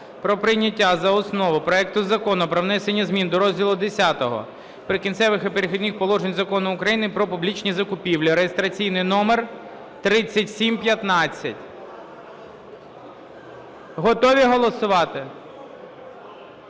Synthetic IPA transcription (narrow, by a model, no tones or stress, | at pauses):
pɾɔpɾɪjnʲɐtʲːazɐɔsnɔʋʊpɾɔɛk̚t̪ʊzɐkɔnʊpɾɔʋnɛsenʲːɐzʲmʲind̪ɔɾɔzʲdʲilˠʊd̪esʲat̪ɔɦɔ̰ | pɾɪkʲinsɛʋɪxɪpeɾɪxɔd̪ʲnʲixpɔlˠɔʒenʲzɐkɔnʊʊkɾɐjinɪpɾɔpʊblʲit͡ʃnʲizɐkʊpʲiwlʲiɾejest̪ɾɐt͡sʲijnɪjnɔmer | t̪ɾɪt͡sʲːɐtʲsʲimpjɐt̪nɑt͡sʲːɐtʲ | ɦɔt̪ɔʋʲiɦɔlˠɔsʊʋɑt̪ɪ